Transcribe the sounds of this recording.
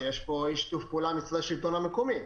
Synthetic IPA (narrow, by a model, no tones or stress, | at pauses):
jeʃpo̞iʃt̪ufpeuːlamit͡sd̪aʃilt̪onamekomi